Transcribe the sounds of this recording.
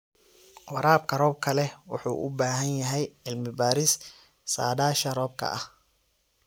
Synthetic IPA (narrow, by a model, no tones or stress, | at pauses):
ʔɑɾaːbkʰɐrɔːb̚kʰɐlɛwʊ̰ħṵːʔʊ̰baːɦɐnjɐɦɛjɪlmɪbaːɾɪs | sa̰ːdaːʃɐrɔːb̚kʰɐ̰ʔɐh